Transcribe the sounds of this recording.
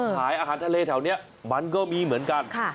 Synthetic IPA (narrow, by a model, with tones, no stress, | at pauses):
k̪ʰaː˩˦jʔaː˧ɦaː˩˦nt̪ʰleː˧t̪ʰɛ˨˩˦wni˦˥˩ɐ | ma˧nkɔː˥˩miː˧mɯ˩˦ənka˧nkʰa˥˩